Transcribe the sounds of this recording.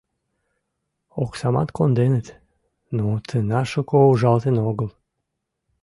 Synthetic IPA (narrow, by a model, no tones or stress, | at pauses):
oksɑmɑ̰t̪kʰond̪enət̪ | nut̪ʰənɑʃokouʒɑlˠt̪enoɡəl